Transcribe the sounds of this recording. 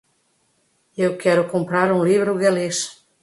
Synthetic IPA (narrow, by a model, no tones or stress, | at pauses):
ewkɛɾʊkõmpɾaɾũŋlivɾʊɣaleʃ